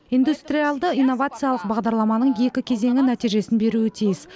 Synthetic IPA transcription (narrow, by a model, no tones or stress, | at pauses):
ijnd̪ust̪ɾʲijalˠd̪əijnːo̞vat̪sɨjɑlˠəq̚bɑʁd̪ɑɾlˠɑmɑnəɴje̞kʲɪkʲʰe̞ze̞ŋʲɪnæt̪ijʒe̞sɪnbe̞ɾuɪt̪ʰijɪs